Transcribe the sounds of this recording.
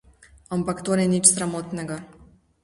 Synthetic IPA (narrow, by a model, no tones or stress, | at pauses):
ampakt̪onɛnit͡ʃsɾamot̪nɛɡɐ